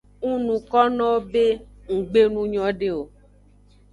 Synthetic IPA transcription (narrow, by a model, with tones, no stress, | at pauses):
ŋũ˦nũ˨kɔ˦nɔ̃˦be˦ | ŋ̩˨ɡ͡be˦nũ˦ɲɔ̃˦ɖe˦o˨